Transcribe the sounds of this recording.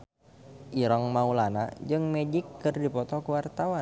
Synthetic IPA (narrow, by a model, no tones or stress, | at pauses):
ʔiɾaŋmaulana̰d͡ʒɨŋmed͡ʒikːɨrdipɔt̪ɔkəwart̪awa